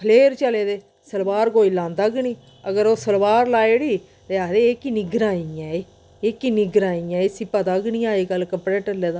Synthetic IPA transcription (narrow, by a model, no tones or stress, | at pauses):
kʰəleːɾt͡ʃəleːd̪eː | səlbaːɾɡoːiːlãːnd̪aːɡɳiː | əɡəɾoːsəlbaːɾlaːeːɽiː | t̪eaːd̪eːekiːnɪɡɾaːiãːeː | ekiːnɪɡɾaːĩãːesipaːt̪aːɡniːãːeːɡəlkəmpɾeːʈəɾleːd̪aː